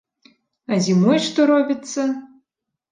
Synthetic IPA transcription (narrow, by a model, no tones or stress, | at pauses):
azʲimojʂt̪oɾobʲit̪t͡s̪ːɐ